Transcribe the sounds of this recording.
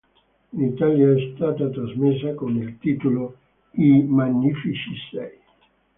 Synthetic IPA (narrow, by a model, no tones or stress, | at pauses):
nit̪aljaɛst̪aːt̪at̪ɾazmesːakomeilt̪iːt̪olo | imanːifit͡ʃisɛ̰j